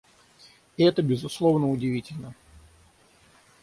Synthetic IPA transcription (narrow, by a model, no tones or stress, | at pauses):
ɛt̪əbʲɪzʊslˠovnəʊdʲɪvʲitʲɪlʲnə